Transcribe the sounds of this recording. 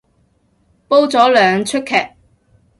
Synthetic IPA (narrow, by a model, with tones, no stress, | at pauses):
po˥wt͡sɔː˨˥lœː˨ŋt͡ʃʰɵ˥t̚kʰːɛː˨k̚